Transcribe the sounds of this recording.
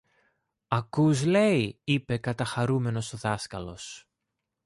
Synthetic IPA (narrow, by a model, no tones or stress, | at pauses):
ɐkuzle̞iipe̞kɐt̪ɐxɐɾume̞no̞soðɐskɐlo̞̰s